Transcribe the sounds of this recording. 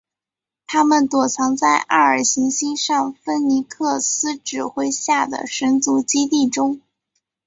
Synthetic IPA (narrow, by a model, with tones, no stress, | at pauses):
t̪ʰa˥mə˨nt̪wɔ˨˩t͡sʰɑ˧˥ŋt͡sa˥˧ɪʔa̰˥˩ə˞˨˩ɕi˧˥ŋɕi˥nʂɑ˥˩ŋfə˥nni˧˥kʰɤ˥˩sɹ̩˥ʈ͡ʂɻ̩˨˩xwe˥ɪɕja˥˩d̪ə̰˩ʂə˧˥nt͡su˧˥t͡ɕi˥t̪i˥˩ʈ͡ʂʊ˥ŋ